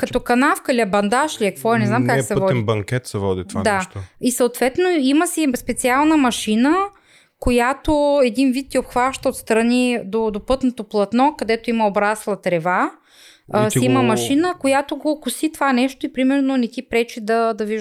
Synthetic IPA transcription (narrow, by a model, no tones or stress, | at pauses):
kɐt̪ɔkɐnafkəilʲiɐbɐnd̪aʃliɐkvɔɛnɛznamkaksɛvɔɛibɐŋkʲɛt̪sɛvɔd̪it̪vand̪at̪oisɐot̪vɛt̪noiməsispɛt̪sialˠnəmɐʃinə | kojat̪oɛd̪invit̪̚ːʲiopxvaʃt̪əot̪st̪ɾɐnid̪od̪opɤt̪not̪oplˠɐt̪nɔkɐd̪ɛt̪oiməobɾaslˠɐt̪ɾɛva | siimɐmɐʃinəkojat̪oɡokʊsit̪vanɛʃt̪oipɾimɛɾnonɛt̪ʲipɾɛt͡ʃid̪ɐd̪ɐviʒ